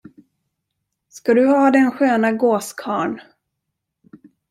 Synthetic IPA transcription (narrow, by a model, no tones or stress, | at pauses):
skad̪ɵhaːd̪ɛnɧøːnaɡoːskʰɑːɳ